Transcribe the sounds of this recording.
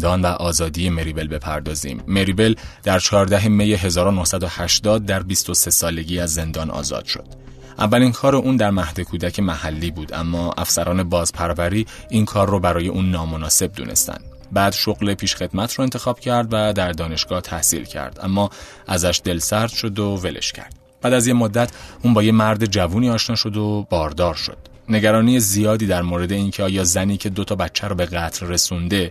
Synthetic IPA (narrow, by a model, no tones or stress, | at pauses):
d̪ɒːnvæʔɒːzɒːd̪ijeme̞ɾiːbe̞lbe̞pʰæɾd̪ɒːzḭːmːe̞ɾibe̞ld̪æɾt͡ʃʰɒːɾd̪æɦe̞mejeɦe̞zɒːɾonohsæd̪ohæʃd̪ɒːd̪̚ːæɾbist̪o̞se̞sɒːle̞ɟiːæzːe̞nd̪ɒːnʔɒ̰ːzɒ̰ːd̪̥ʃo̞̰d̪̥ | ʔævːælinkʰɒːɾeʔuːnd̪æɾmæhd̪e̞kʰuːd̪æcʰe̞mæhælːiːbuːd̪ʔæ̰mːɒːʔæ̰fsæɾɒːne̞bɒːzpʰæɾvæɾiːinkʰɒːrːobæɾɒːje̞ʔuːnːɒːmo̞nɒːse̞b̚d̪ṵːne̞̰st̪æ̰nd̪ | bæːd̪̥ʃo̞ɣle̞pʰiːʃxe̞d̪mæt̪ʰɾɔːe̞nt̪ʰe̞xɒːb̥cʰæɾd̪væd̪æɾd̪ɒːne̞ʃɡ̥ɒːht̪ʰæhsḭlcʰæ̰ɾd̪̥ʔæ̰mːɒː | ʔæzæʃd̪e̞lsæɾd̪̥ʃo̞d̪o̞ve̞lḛʃcʰæ̰ɾd̪̥ | b̥æːd̪æzjemod̪ːæt̪ʰuːnbɒːjemæɾd̪e̞d͡ʒævuːniːɒːʃnɒːʃo̞d̪o̞bɒːɾd̪ɒːɾʃo̞̰d̪̥ | ne̞ɟæɾɒːnijezijɒːd̪iːd̪æɾmoːɾe̞d̪e̞incʰeɒːjɒːzæniːcʰe̞d̪o̞t̪ʰɒːbætt͡ʃʰːæɾɔːbe̞ɣæt̪ʰɾːe̞sund̪e̞